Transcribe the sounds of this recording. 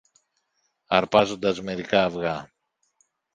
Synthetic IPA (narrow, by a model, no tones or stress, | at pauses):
ɐɾpɐzo̞nd̪ɐzme̞ɾikɐːvɣɐ